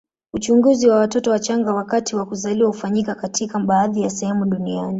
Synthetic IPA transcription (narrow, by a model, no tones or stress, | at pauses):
ut͡ʃuŋɡuziwawatɔtɔwat͡ʃaŋɡawakatiwakuzaliwahufaɲikakatʰikaɓaːðijasɛhɛmuɗuniani